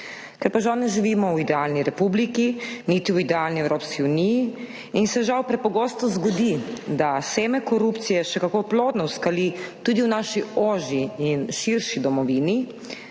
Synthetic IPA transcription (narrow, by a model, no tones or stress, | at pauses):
kɛɾpaʒawnɛʒiʋiːmɔwid̪ɛalniɾɛpublikinit̪iwid̪ɛalniɛwɾoːpskiuniji | insɛʒawpɾɛpɔɡoːst̪ɔzɡɔd̪id̪aseːmɛkɔɾupt̪sijɛʃɛkakoploːd̪nɔwskalit̪ud̪iwnaʃioːʒiinʃiɾʃid̪ɔmɔʋini